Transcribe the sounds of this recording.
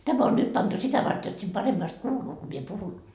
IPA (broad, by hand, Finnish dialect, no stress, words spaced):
tæm on nyt pɑntu sitæ ʋɑrt jot sit pɑremːɑst kuːluː ko mie puhun